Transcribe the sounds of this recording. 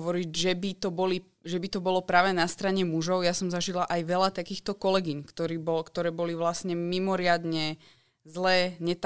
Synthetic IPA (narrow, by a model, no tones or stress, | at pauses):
ʋɔɾicʒɛbit̪ɔbɔli | ʒɛbit̪ɔbɔlɔpɾaːʋɛnast̪ɾaɲɛmuʒɔʊjasɔmzaʒilaʔajʋɛlat̪akiːxt̪ɔkɔlɛɡiɲkt̪ɔɾiːbɔlkt̪ɔɾɛːbɔliʋlasɲɛmimɔɾɪad̪ɲɛ | zlɛːɲɛt̪